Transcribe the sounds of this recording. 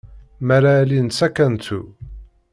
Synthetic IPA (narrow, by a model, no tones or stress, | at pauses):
mæɾalinsækːænt̪ṵ